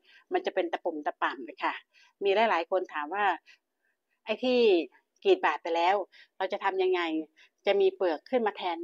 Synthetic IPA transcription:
ma˧nt͡ɕa˨˩pe˧nt̪a˧pu˨˩mt̪a˧pa˨˩mlaː˧˩jkʰa˥˩ | miː˧lɛː˦˥jlaː˨˩˦jkʰo˧nt̪ʰaː˩˦mwaː˥˩ | ʔa˥˩jt̪ʰiː˥˩ | kiː˨˩t̪̚baː˨˩t̪̚pa˧jlɛː˦˥wɾa˧wt͡ɕa˨˩t̪ʰa˧mja˧ŋːa˧j | t͡ɕa˨˩ʔmiː˧pɯ˨˩əkʰːɯ˥˩nmaː˧t̪ʰɛː˧n

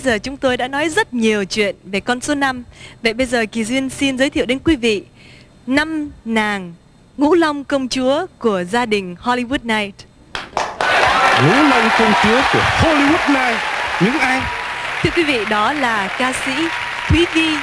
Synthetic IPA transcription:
jzəː˨˩t͡ɕʊ˨˦ŋ͡mt̪o˧jɗa̰ː˧˥nɔ˨˦jzə˦˥t̚ɲi˨˩əwt͡ɕwḭ˧˨ənve˨˩kɔ˧nso˨˦na˧mvə̰˧˨jɓə˧jzəː˨˩ki˨˩zwi˧ənsi˧nzəː˨˦jt̪ʰḭ˧˨wɗe˨˦nkwi˨˦vḭ˧˨ | na˧mnaː˨˩ŋ | ŋṵ˧˥la˧wŋ͡mkə˧wŋ͡mt͡ɕu˨˦əku˧˩əzaː˧ɗï˨˩ŋ̟hɔ˧li˧wu˦˥t̚naː˧jt̚ | ŋṵ˧˥lɔ˧wŋ͡mkə˧wŋ͡mt͡ɕu˨˦əku˧˩əho˧li˧wu˦˥t̚naː˧jtɲɨ̰˧˥ŋʔaː˧jt̪ʰɨ˧əkwi˨˦vḭ˧˨ɗɔ˨˦laː˨˩kaː˧sḭ˧˥ | t̪ʰwi˨˦vi˧

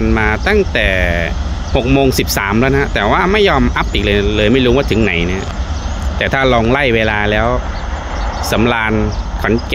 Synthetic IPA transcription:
nmaː˧t̪a˥˩ŋt̪ɛː˨˩ | ho˨˩k̚moː˧ŋsi˨˩p̚sa̰ː˩˦mlɛː˦˥na˦˧˥t̪ɛː˨˩waː˥˩ma˥˩jːɔː˧mʔa˦˥p̚ʔiː˨˩k̚lɤː˧lɤː˧jma˥˩jɾuː˦˥waː˥˩t̪ʰɯ˩˦ŋna˩˦jni˦˥˩ɐt̪ɛː˨˩t̪ʰaː˥˩lɔː˧ŋla˥˩jweː˧laː˧lɛː˦˥w | sa˩˦mlaː˧nkʰɔ˩˦nk

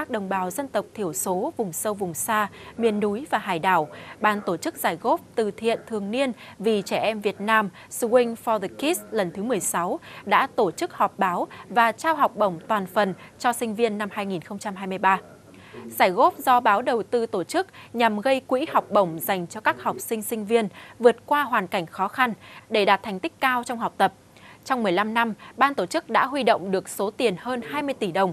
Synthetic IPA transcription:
a˦˥k̚ɗə˨˩wŋ͡mɓaː˨˦wzə˧nt̪ə˨˩wk͡p̚t̪ʰi˧˩əwso˨˦vʊ˨˩ŋ͡msə˧wvʊ˨˩ŋ͡msaː˧mḭ˧˨ənːu˨˦jvaː˨˩ɦaː˨˩jɗa̰ː˧˩wɓaː˧nt̪o˧˩t͡ɕɨ˦˥k̚z̥aː˧˩jɣo˦˥p̚t̪ɨ˨˩t̪ʰḭ˧˨ənt̪ʰɨ˨˩əŋni˧ənvi˨˩t͡ɕɛ˧˩ʔɛ˧mvi˨˩ət̚naː˧m | sɨ˧kï˧ŋ̟fɔ˧ðə˨˧˩ki˦˥slə˨˩nt̪ʰɨ˨˦mɨ˨˩əjsa˨˦wɗa̰ː˧˥t̪o˧˩t͡ɕɨ˦˥k̚hɔ˨˩k͡p̚ɓaː˨˦wvaː˨˩t͡ɕaː˧wɦa˨˩wk͡p̚ɓə̰˧˩wŋ͡mt̪waː˨˩nfə˨˩nt͡ɕɔ˧sï˧ŋ̟vi˧ənːa˧mhaː˧jŋi˨˩nxə˧wŋ͡mt͡ɕa˧mɦaː˧jmɨ˧əjɓaː˧ | zaː˧˩jɣo˦˥p̚zɔ˧ɓaː˨˦wɗə˨˩wt̪ɨ˧t̪o˧˩t͡ɕɨ˦˥k̚ɲa˨˩mɣə˧jkwḭ˧˥ha˨˩wk͡p̚ɓə˧˩wŋ͡mza˨˩jŋ̟t͡ɕɔ˧kaː˦˥k̚hɔ˨˩wk͡p̚sï˧ŋ̟sï˧ŋ̟vi˧ənvɨ˨˩ət̚kwaː˧ɦwaː˨˩nka˧˩jŋ̟xɔ˨˦xa˧nɗe˧˩ɗaː˨˩t̪̚ʰjŋ̟t̪i˦˥k̟̚kaː˧wt͡ɕɔ˧wŋ͡mɦa˨˩wk͡p̚t̪ə˨˩p̚ | t͡ɕɔ˧wŋ͡mmɨ˨˩əjla˧mna˧mɓaː˧nt̪o˧˩t͡ɕɨ˦˥k̚ɗa̰ː˧˥ɦwi˧ɗo̰˧˨wŋ͡mɗɨ˨˩ək̚so˨˦t̪i˨˩ənhəː˧nhaː˧jmɨ˧əjt̪i˧˩ɗə˨˩wŋ͡m

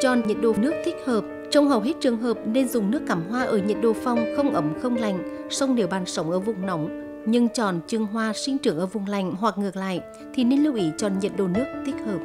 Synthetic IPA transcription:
t͡ɕɔ˨˩nɲə̰˨˩t̚ɗo̰˧˩nɨ˦˥ək̚t̪ʰi˦˥k̚həː˨˩p̚ | t͡ɕɔ˧wŋ͡mhə˨˩wɦe˦˥t̚t͡ɕɨ˨˩əŋɦəː˨˩p̚ne˧nzʊ˨˩ŋ͡mnɨ˦˥əkːaː˧˩mɦwaː˧ʔəː˧˩ɲə̰˨˩t̚ɗo̰˧˨˩fa˧˩wŋ͡mxə˧wŋ͡mʔə˨˦mxə˧wŋ͡mla˨˩jŋ̟sə˧wŋ͡mɗe˨˩˦wɓaː˧˩nsə˨˦wŋ͡mʔəː˧˩vʊ˨˩wŋ͡mnə˨˦wŋ͡m | ɲɨ˧ŋt͡ɕɔ̰˨˩nt͡ɕɨ˧˩əŋɦwaː˧swi˧nt͡ɕɨ˨˧˩əŋʔəː˧˩vʊ˨˩ŋ͡mla˨˩jŋ̟ɦwa˨˩k̚ŋɨ˨˩ək̚la̰ː˧˨j | t̪ʰi˨˩ne˧nli˧wʔi˨˦t͡ɕɔ˧˩ɲə˨˩t̚ɗo̰˧˩nɨ˦˥ək̚t̪ʰi˦˥k̚həː˨˩p̚

